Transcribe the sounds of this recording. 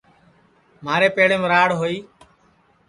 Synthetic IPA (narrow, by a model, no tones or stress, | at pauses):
maːɾeːpeːɽẽːmeːɾaːɽɦoːiː